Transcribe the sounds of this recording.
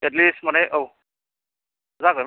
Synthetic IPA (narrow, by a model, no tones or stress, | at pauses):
ɛt̬listmanɛʔow | zakɔj